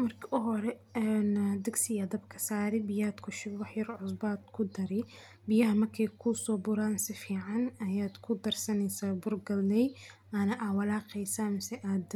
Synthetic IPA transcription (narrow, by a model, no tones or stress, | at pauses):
mɐrkʰɪʔɔɦɔɾɛɛnd̪ɐɡsɪjɐd̪ɐbkʰɐ̥saːɾɪbɪjaːd̪kʰʊʃɪbwɑħjɐrʕʊsbaːd̪kʰʊd̪ɐɾɪ | bɪjɐɦɐmɐrkʰɛjkʰʊsɔːbʊɾaːnsɪfiːʕɑnɐjaːd̪kʰʊd̪ɐrsɐnɛjsaːbʊrɡɐlːɛj | ʔanɐʔawɐlaːqɛjsaːmɪsɛʔaːd̪